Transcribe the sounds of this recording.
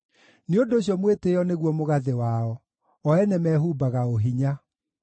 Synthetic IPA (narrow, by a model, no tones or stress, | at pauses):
neondoːɕjɔmweteɔneɣwɔmoɣaðewaɔ | ɔɛnɛmɛɦuːbaɣaoɦiɲa